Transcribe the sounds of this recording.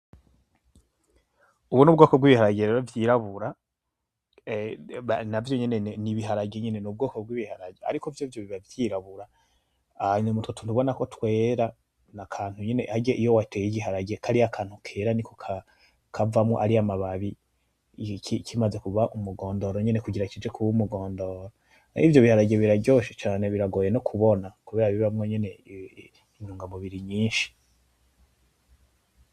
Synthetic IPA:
uβunubɡoːkobɡwiːβihaɾaɟeavjiːɾaβuɾa | navjo̞ɲeneniβiɦaɾaɟeɲene̞nub̚ɡoːkobɡwiβihaɾaɟea̰ɾikovjovjoβiβavjiɾaβuɾa | nmutwotʰunuβo̞nako̞twe̞ːɾa | nakʰaːn̥huɲene̞haɟeʔijowatʰejiɟiɦaɾaɟekʰaɾiakʰaːn̥hukʰe̞ːɾanikokʰa | kʰavamŋo̰ʔaɾiamaβaβi | ikʰimaze̞kuβaʔumuɡo̞ːndoɾoɲene̞kuɟiɾacid͡ʒe̞kʰuβumuɡo̞ːndo̞ɾo | ḭvjo̞βihaɾaɟe̞βiɾabɟo̞ʃi̥t͡ʃaːne̞βiɾaɡoːje̞nokʰuβo̞nakuβe̞ːɾaβiβamŋoɲene̞ | ɲuːŋɡamuβiɾiɲiːnʃi̥

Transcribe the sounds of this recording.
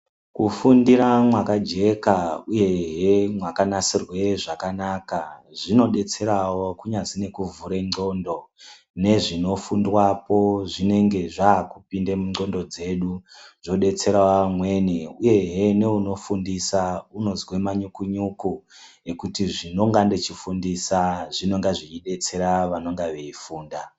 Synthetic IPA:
kufundiɾamwakad͡ʒe̞kauje̞ɦe̞mwakanasirwe̞ʐakanaːkaʐino̞ɗe̞t͡se̞ɾawo̞kuɲazine̞kuvuɾeŋ͡ǀo̞ndo̞ | ne̞ʐino̞fundwapo̞ʐine̞ŋɡe̞ʐaːkupindemuŋ͡ǀo̞ndo̞d͡ze̞ɗuʐo̞ɗe̞t͡se̞ɾawamwe̞neuje̞ɦe̞ne̞uno̞fundisauno̞zwemaɲukuɲukue̞kutiʐino̞ŋɡande̞t͡ʃifundisaʐino̞ŋɡaʐiiɗe̞t͡se̞ɾaʋano̞ŋɡaʋeifuːnda

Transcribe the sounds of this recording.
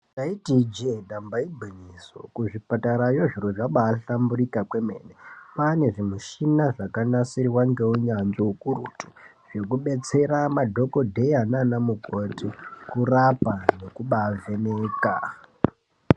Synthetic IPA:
taitid͡ʒeɗambaibʱiniso̰kuʐipataɾajo̞ʐiroʐaɓaːɬambuɾikakwe̞me̞̰ːnepane̞ʐimuʃinaʐakanasiɾiwaŋɡe̞uɲanziukurutu̥ | ʐe̞kuɓe̞t͡se̞ɾamadʱo̞ko̞dʱe̞ananamuko̞tikurapane̞kuɓaːveneːka

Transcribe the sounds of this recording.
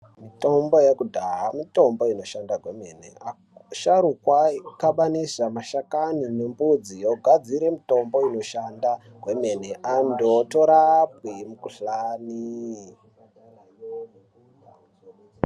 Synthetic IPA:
mito̞mbo̞jekudʱaɦamito̞mbo̞ino̞ʃandaɡʱwe̞menḛa | ʃaɾukwakaɓanisamaʃakanine̞mbud͡zijoɡʱad͡ziɾe̞mito̞mbo̞ino̞ʃanda | ɡʱwe̞me̞neʔandotoɾap̚wimukuɬaːni

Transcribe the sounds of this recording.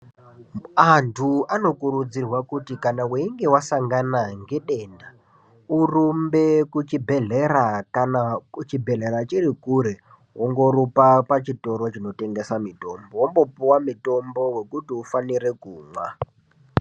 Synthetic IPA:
antʰuano̞kuɾud͡zirwakutikanaweiŋɡe̞wasaŋɡanaŋɡe̞ɗe̞ːnda | urumbe̞kut͡ʃibʱeɮerakanaut͡ʃibʱe̞ɮe̞ɾat͡ʃirikuɾe | woŋɡo̞rupapat͡ʃito̞ɾot͡ʃino̞te̞ŋɡe̞samito̞mbowombo̞puwamito̞mbo̞we̞kutiufaniɾe̞kuːmwa

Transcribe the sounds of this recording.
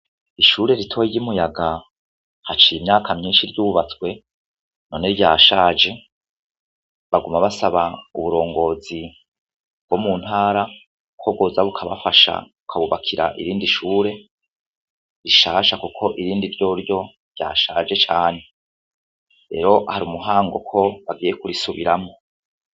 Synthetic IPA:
iʃuːɾe̞ɾitʰo̞jijimujaɡa | hat͡ʃiimɲaːkʰamɲiːnʃiɾɟuːβat͡swe̞ | no̞niɾɟaːʃaːd͡ʒe̞ | βaɡumaβasaβauβuɾo̞ːŋɡo̞ːzi | b̥̚womun̥haːɾa | kʰoβɡoːzaβukʰaβafaʃa̰βukʰaβuβakʰiɾa̰ʔḭɾiːndiʃuːɾe̞ | ɾiʃaːʃakukʰo̞ʔiɾiːndiɾɟo̞ːɾjo̞ | ɾja̰ːʃaːd͡ʒe̞t͡ʃaːne̞ | ɾe̞̰ɾo̞haɾiuːmuɦaːŋɡo̞kʰo̞βaɡiːje̞kuɾisuβiɾamo̞

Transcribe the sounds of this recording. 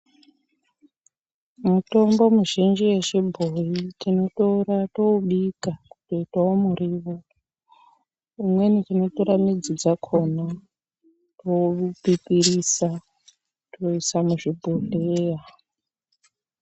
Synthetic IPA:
muto̞mbo̞muʒind͡ʒijet͡ʃebʱojitino̞toratouɓikakutoitaomuriʋo | umwe̞nitino̞tuɾamid͡zid͡zakʰo̞na | toupipirisa | toisamuʐibʱoɮeja

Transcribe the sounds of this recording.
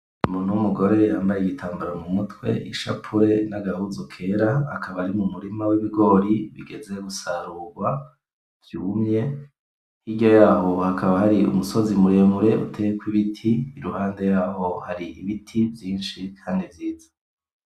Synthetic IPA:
muːn̥uumuɡo̞ɾe̞jaːmbajeiɡitʰaːmbaɾamumutwe̞̰iʃa̰pʰuɾe̞naɡahuzokʰe̞ːɾaa̰kʰaβaɾimumuɾimawiβiɡo̞ːɾiβḭɡe̞ze̞ɡusaɾuːɾɡwa | vjumɲe̞ | iɟo̞jaːho̞hakʰaβahaɾiṵmuso̞zimuɾeːmuɾe̞ṵtʰejkwiβitʰiːɾuhaːnde̞jaːho̞haɾiʔiβitʰivjiːnʃikʰaːndivjiːzḁ

